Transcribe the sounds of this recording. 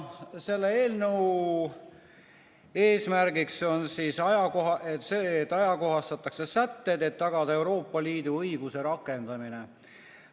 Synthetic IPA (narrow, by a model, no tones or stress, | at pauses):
se̞lːeeːlnew | e̞ːsmærɡikso̞nsiːsɑjɑkoɦɑʔet̪set̪ːˑɑjɑko̞ɦɑst̪ɑt̪ːˑɑkse̞sæt̪ːe̞d̪e̞t̪ːɑɡ̥ɑd̪ɑe̞wɾo̞ːpːɑliːd̪uɤjɡ̥use̞ɾɑkːˑe̞nd̪̥ɑmine̞